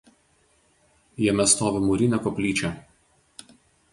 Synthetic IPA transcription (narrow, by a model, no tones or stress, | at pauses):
jɛmʲɛst̪oːʋʲɪmʊɾʲɪnʲɛkɔpʲlʲiːt͡ʃʲɛ